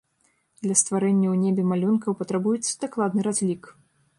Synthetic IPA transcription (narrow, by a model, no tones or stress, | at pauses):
d̪lʲɐst̪vaɾɛnʲːɐwnʲebʲɛmalʲunkɐwpɐt̪ɾabujɛt̪sːɐ̥d̪aklˠad̪nɨɾazʲlʲik